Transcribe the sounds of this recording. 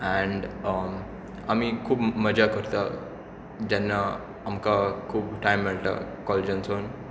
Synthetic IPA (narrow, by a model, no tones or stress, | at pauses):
ɛ̃ɳɖ | amikʰuːbməd͡ʑakəɾt̪a | d͡ʑɛnːa | amkakʰuːbʈajmːɛɭt̪a̰kɔled͡ʑãnson